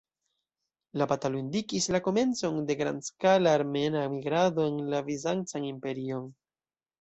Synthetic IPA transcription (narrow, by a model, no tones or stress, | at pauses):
lapatalundikislako̞me̞nt͡so̞nde̞ɡɾa̰ndskalaːɾme̞naemiɡɾado̞e̞nlavizant͡sanimpe̞ɾio̞n